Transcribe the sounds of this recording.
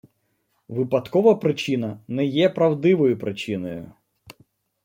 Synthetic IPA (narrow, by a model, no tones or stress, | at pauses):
ʋɪpɐd̪kɔʋɐpɾɪt͡ʃinɐnɛjɛpɾɐwd̪ɪʋɔjʊpɾʔɪt͡ʃinɔjʊ̰